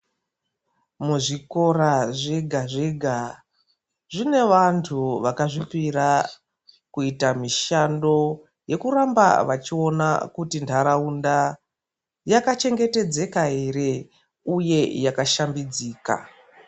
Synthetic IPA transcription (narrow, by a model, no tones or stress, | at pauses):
muʐiko̞raʐeɡʱaʐeɡʱa | ʐine̞ʋantʰuʋakaʐipira | kuitamiʃando̞ | je̞kuramba̰ʋat͡ʃio̞na̰kutintʰaɾaunda | jakat͡ʃe̞ŋɡe̞te̞d͡ze̞kaeɾe̞ | uje̞jakaʃambid͡ziːka̰